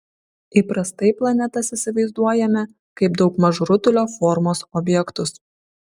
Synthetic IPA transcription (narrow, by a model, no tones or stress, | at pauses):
iːˑpɾɐst̪ɐɪplˠɐnʲɛt̪ɐsisʲɪʋɐɪzd̪uɔjɛmʲɛ | kɐɪb̚d̪ɒʊkmɐʒɾʊt̪ʲʊlʲoːfɔɾmoːsɔbʲjɛkt̪ʊs